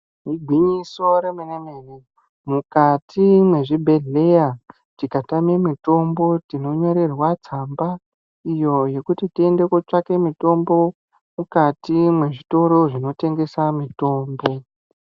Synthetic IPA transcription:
ɦiɡʱwiɲiso̞ɾemenemeːne | mukatʰimwe̞ʐibʱe̞ɮe̞ja | tikatamemito̞mbo̞tino̞ɲo̞ɾe̞rwad͡zamba | ijo̞je̞kutitie̞nde̞kot͡ʂake̞mito̞mbo̞ | mukatimwe̞ʐito̞ɾo̞ʐino̞te̞ŋɡe̞samito̞ːmbo̞

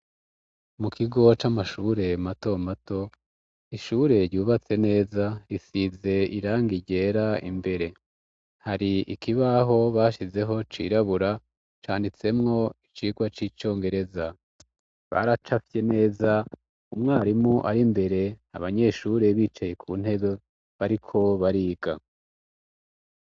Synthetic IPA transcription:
mukʰiɡo̞t͡ʃamaʃuːɾe̞mato̞mato̞ | iʃuːɾe̞ɾɟuːβat͡se̞ne̞ːzaisize̞iɾaːŋɡiɟe̞ːɾaḭmbe̞ɾe̞ | haɾiikiβaɦo̞βaːʃize̞ɦo̞t͡ʃḭɾaβuɾa | t͡ʃaːndit͡se̞mŋo̞it͡ʃiːɡwat͡ʃiːt͡ʃo̞ːŋɡe̞ɾe̞za | βa̰ɾat͡ʃafe̞ne̞ːza | umŋaːɾimuʔa̰ɾimbe̞ɾe̞a̰βaɲe̞ʃuːɾe̞βiːt͡ʃaje̞kʰṵːn̥he̞βe̞ | βaɾikʰo̞βaɾiːɡ̥a

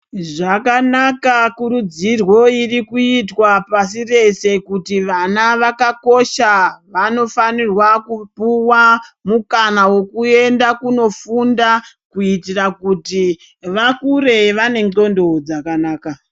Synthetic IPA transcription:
ʐakanakakuɾud͡zirwo̞irikuitwapasire̞se̞kutiʋanaʋakako̞ʃaʋano̞fanirwakupuwamukanawo̞kue̞ndakuno̞funda | kuitirakuti | ʋakuɾe̞ʋane̞ŋɡo̞ndo̞d͡zakanaːka

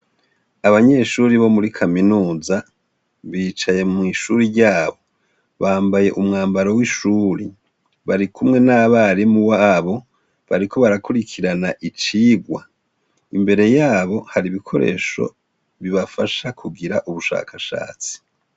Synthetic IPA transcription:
aβaɲe̞ʃuɾiβo̞muɾikʰaminuːza | βiːt͡ʃaje̞mŋiʃuɾiɾɟaːβo̞ | βaːmbaje̞ʔumŋaːmbaɾowiʃuːɾi | βaɾikʰumŋe̞naβaɾimuwaβo̞ | βaɾikʰo̞βaɾakuɾikʰiɾanaʔit͡ʃiːɡwa̰ | imbe̞ɾe̞jaːβo̞haɾiβikʰo̞̰ɾe̞̰ʃo̞̰ | βiβafaʃakʰuɡiɾaʔuβuʃa̰ːkʰaʃa̰ːt͡si̥

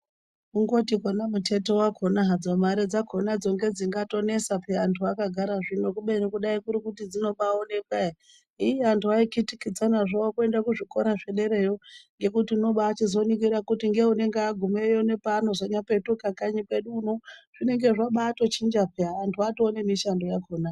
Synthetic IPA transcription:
uŋɡo̞tikonamute̞towakʰonaɦad͡zomaɾed͡zakʰo̞nad͡zo̞ŋɡe̞d͡ziŋɡato̞ne̞sapeantʰuakaɡʱaɾaʐino̞kuɓenikuɗaikuɾikutid͡zino̞ɓaone̞kae | ijeantʰuaikitikid͡zanaʐaokue̞ndakuʐiko̞ɾaʐe̞ɗe̞ɾe̞joŋɡe̞kutiuno̞ɓaːt͡ʃizo̞nik̬iɾakutiŋɡe̞une̞ŋɡeaɡʱumejone̞pano̞ʐaɲape̞tukakaɲike̞ɗuːno̞ʐ̥ine̞ŋɡe̞ʐaɓaːto̞t͡ʃind͡ʒapeaːntʰuatoːne̞miʃandojakoːna

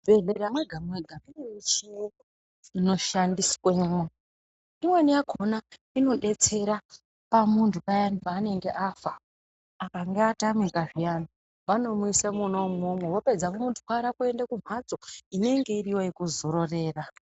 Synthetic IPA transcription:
bʱeɮeɾamweɡʱamwe̞ɡʱamineit͡ʃiju | ino̞ʃandisweːmwe | imwenijakʰo̞na | ino̞ɗe̞t͡se̞ɾa | pamuntʰukajanipaːne̞ŋɡe̞ʔafa | akaŋɡeatamikaʐijana | ʋano̞muisemuno̞mumwewo̞pe̞d͡zakomuntʰu̥kwaɾakue̞ndakum̤ad͡zo̞ine̞ŋɡe̞iriwojekuzo̞ɾo̞re̞ːra

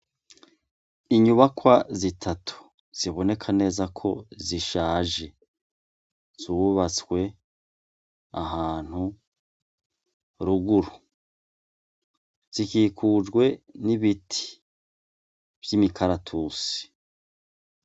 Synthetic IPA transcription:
iɲuβakwazitʰatʰu̥ | z̥iβo̞ne̞kʰane̞ːzakʰo̞ziʃaːʒe̞ | z̥uβat͡swe̞ | aɦaːn̥hu | ɾuɡuɾu | z̥ikiːkʰuːd͡ʒɡwe̞niβitʰi̥ | v̥jimikʰaɾatʰuːsi̥

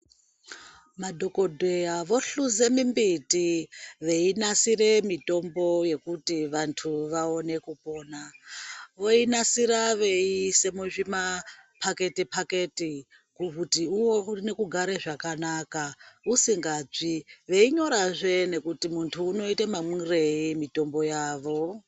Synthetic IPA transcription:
madʱo̞ko̞dʱejaʋo̞ɬuze̞mimbitiʋe̞inasire̞mito̞mbo̞je̞kutiʋantʰuʋao̞ne̞kupo̞ːna | ʋo̞inasiɾaʋe̞iise̞muʐimapʰake̞tipʰake̞ti | kukutiuwone̞kuɡʱaɾeʐakanaːkausiŋɡab͡ʐiʋe̞iɲo̞ɾaʐe̞ne̞kutimuntʰuːno̞itemamire̞imito̞mbo̞jaːʋo̞

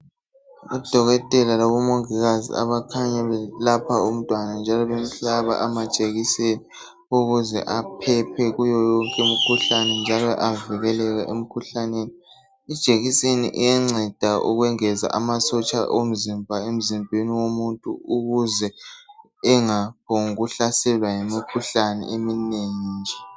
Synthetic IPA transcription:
ṵd̥ʱɔɣɔtʼɛlalaβɔmoŋiɣazḭa̰βakʰaɲaβɛlapʰaum̩tʼwanand͡ʒʱalɔβem̩ɬaβa̰ʔamad̥ʒ̥ʼʱeɣiseni | uɣuzɛ̰ʔapʰɛpʰɛɣujɔjɔŋkʼɛum̩kʰuɬanɛnd͡ʒʱalɔʔaviɣɛlɛɣaʔem̩kʰuɬaneːni | id̥ʒ̥ʱeɣisenḭʔijɛŋ͡ǀʱɛd̥ʱaṵɣwɛŋɛza̰ʔamasɔt͡ʃʼa̰ʔom̩zimbʱaem̩zimbʱeniwomuntʼṵuɣuzɛ | ɛŋap̚ʰɔŋuɣuɬasɛlwaŋemikʰuɬanɛ̰ʔemineːŋd͡ʒʱɛ

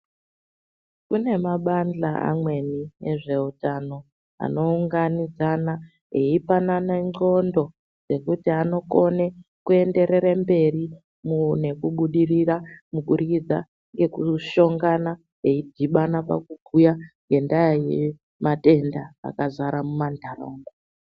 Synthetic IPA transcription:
kune̞maɓand͡ɮaa̰mwe̞nieʐe̞utano̞ | a̰no̞uŋɡanid͡zana | eipananeŋ͡ǀo̞ndo̞ | d͡ze̞kutiano̞ko̞nekue̞nde̞ɾe̞ɾembe̞ri | mune̞kuɓuɗiriramukurid͡za̰ | ŋɡe̞kuʃo̞ŋɡana | eidʱiɓanapa̰kuɡʱujaŋɡe̞ndajaje | mate̞nda̰ːkazaɾamumandʱaro̰ŋɡa

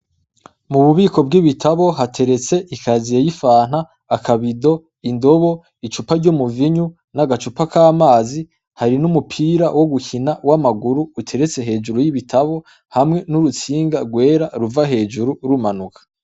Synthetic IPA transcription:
muβuβiːkʰo̞bɡiβitʰaβo̞ɦatʰe̞ɾe̞t͡se̞ʔikʰazijejifaːn̥haː | kʰaβido̞ | indo̞βo̞ | it͡ʃupaɾɟomuviɲu | naɡat͡ʃupakʰaːmaːzi | haɾinumupʰiːɾawo̞ɡuçinawamaɡuɾuːtʰe̞ɾe̞t͡se̞ɦe̞ːd͡ʒuɾujiβitʰaβo̞ | hamŋe̞nuɾut͡siːŋɡaɾɡwe̞ːɾaɾuvaɦe̞ːd͡ʒuɾuɾumanukʰḁ

